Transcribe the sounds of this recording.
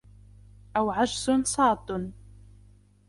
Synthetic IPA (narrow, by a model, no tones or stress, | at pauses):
ʔawʕaʒsʊnsˤɑːt̪ˤʊn